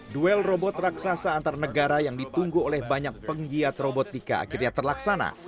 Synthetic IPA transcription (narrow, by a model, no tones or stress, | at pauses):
duɛlrobɔt̪raksasaːnt̪aɾanəɡaɾajaŋdit̪uŋɡuolɛhbaɲak̚pəŋɡiat̪robot̪ika̰a̰kirɲat̪ərlaksana̰